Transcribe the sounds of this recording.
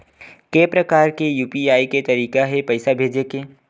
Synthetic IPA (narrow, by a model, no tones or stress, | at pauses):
keːpɾɐkaːɾkejuːpiaːiket̪ɐɾiːkaɦɛpɐɪsabʱeːd͡ʒekeː